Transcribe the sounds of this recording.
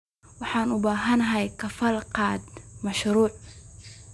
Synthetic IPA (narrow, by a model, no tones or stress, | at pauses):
wɑħɑːnʊbaːɦɐnɐɦɐjkʰɐfɐlqɑːd̪mɐʃɾuːʕ